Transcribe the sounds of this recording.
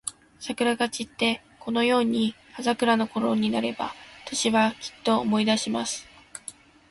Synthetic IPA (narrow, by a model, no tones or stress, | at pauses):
sakɯ̟ɾaɡat͡ɕit̪ːe̞ | ko̞no̞jo̞ːɲ̟i | azakɯ̟ɾano̞ko̞ɾo̞ɲ̟inaɾe̞ba̰t̪oɕiβakʲi̥t̪ːo̞ːmo̞id̪aɕimasɨ̥